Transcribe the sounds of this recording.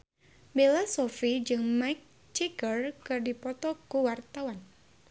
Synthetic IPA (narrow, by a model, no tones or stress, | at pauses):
belasɔfid͡ʒɨŋmaik̚ | t͡ʃiɡərkɨrdipɔt̪ɔkuwart̪awan